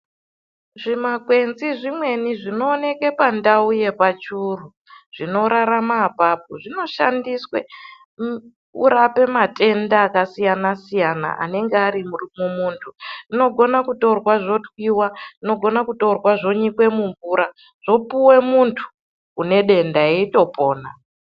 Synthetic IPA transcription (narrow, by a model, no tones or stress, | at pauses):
ʐimakwe̞nziʐimwe̞niʐino̞ːne̞ke̞pandauje̞pat͡ʃuru | ʐ̥ino̞ɾaɾamaːpap̚o̰ʐino̞ʃa̰ndiswḛ | ṵɾape̞mate̞ndaːkasijanasijana̰ʔa̰ne̞ŋɡeaɾimurimomuːntʰurino̞ɡʱo̞nakuto̞rwaʐo̞twiwarino̞ɡʱo̞nakuto̞rwaʐo̞ɲikwe̞muɱvuɾa | ʐ̥o̞puwe̞muntʰu̥ː | ne̞ɗe̞ndaeito̞po̞ːna̰